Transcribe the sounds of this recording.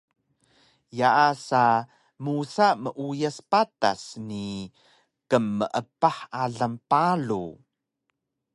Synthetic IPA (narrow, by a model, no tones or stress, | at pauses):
jaʔasa | musaməʔujaspata̰sni | kəmːəʔəpaħaɮampalṵ